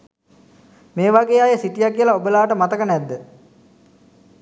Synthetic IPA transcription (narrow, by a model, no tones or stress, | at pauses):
meːʋaɡeːaːjəsiʈijakiəlaobəlaːʈəmat̪əkənɛd̪ːə